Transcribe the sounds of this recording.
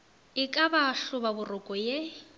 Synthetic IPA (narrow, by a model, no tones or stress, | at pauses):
ɪkʼabaɬʊbabʊrʊkʼɔje